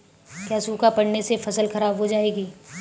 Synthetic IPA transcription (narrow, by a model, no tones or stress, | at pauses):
kjaːsuːkapɐɽnesefɐsəlxɐɾaːbɦod͡ʒaːeːɡiː